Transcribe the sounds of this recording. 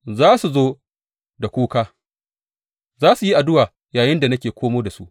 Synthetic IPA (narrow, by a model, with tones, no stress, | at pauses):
zaː˦su˨zoː˦ | da˨kʷuː˦kaː˦ | zaː˦su˨ji˦ʔa˨dʊ˦waː˨ | jaː˨jɪ˦nda˨nɐ˦kʲeː˨kʷoː˦moː˦da˨su˦ʔ